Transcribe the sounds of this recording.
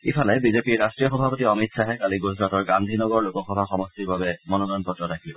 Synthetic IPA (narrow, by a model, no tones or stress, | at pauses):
ipʰalɛbizepiɹɹastɹijɔxɔbʱapotiɔmitsaɦɛkaliɡuzɹatɔɹɡandʱinɔɡɔɹlukɔxɔbʱaxɔmɔstiɹbabɛmɔnɔnɔjɔnpɹɔtɔtakʰilibɔ